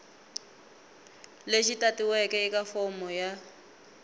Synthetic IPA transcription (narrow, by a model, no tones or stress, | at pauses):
leʃitʼatʼiwɛkɛikʼafɔmɔja